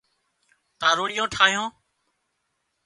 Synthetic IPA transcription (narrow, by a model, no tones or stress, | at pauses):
t̪ãːɾoːɽɪjõːʈʰaːɦijõː